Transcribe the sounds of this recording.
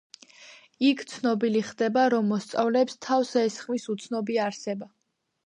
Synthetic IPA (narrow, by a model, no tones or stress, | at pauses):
ikʰt̪sʰnɔbiliχd̪ɛbaɾɔmːɔst̪sʼavlɛpst̪ʰavsɛːsχmisut̪sʰnɔbiaaːɾsɛba